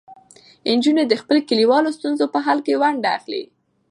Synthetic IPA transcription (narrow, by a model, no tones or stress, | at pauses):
ɪnd͡ʒuned̪əxpəlkəliwɑlost̪unzopəɦɑlkewaɳɖaa̰xlḭ